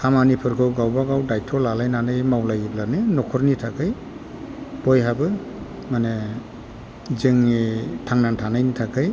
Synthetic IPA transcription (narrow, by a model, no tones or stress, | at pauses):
kʰamanipʰɯɾkʰɯwɡawbaɡawdajtʰɔlalajnanɯjmawlajiblanɯnɔkʰɯɾnitʰakʰɯj | b̥ɔjɦabɯ | mane | zɯŋitʰaŋnantʰanajnitʰakʰɯj